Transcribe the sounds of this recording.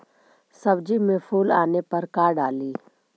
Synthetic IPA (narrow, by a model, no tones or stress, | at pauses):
sɐbd͡ʒimẽpʰuːlaːnepɐɾkaːɖaːliː